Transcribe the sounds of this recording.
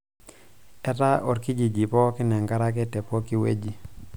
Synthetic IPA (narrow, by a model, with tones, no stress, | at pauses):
ɛ˦ta˦ʔɔ˨ɾki˦d͡ʒi˨d͡ʒi˨pɔ˦kɪ˦nɛ˨ŋɡa˦ɾa˦k̬ɛ˦tɛ˨pɔ˦ki˦wḛ˦d͡ʒi˨